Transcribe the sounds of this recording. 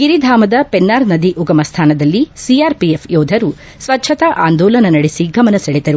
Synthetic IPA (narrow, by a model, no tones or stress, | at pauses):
ɡiɾid̪ʱaːmɐd̪ɐpenːaːɾnɐd̪iʔuɡɐmɐst̪ʰaːnɐd̪ɐlːisiaːɾpiepʰjɔːd̪ʱɐɾu | sʋɐtːʃʰɐt̪ɐʔaːnd̪ɔːlɐnɐnɐɽisiɡɐmɐnɐsɐɭid̪ɐɾu